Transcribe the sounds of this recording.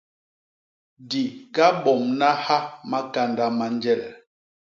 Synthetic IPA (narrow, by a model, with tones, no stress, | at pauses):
di˨ɡa˦bɔ˨mna˦ha˦ma˦ka˦nda˦ma˦nd͡ʒɛ˦˨l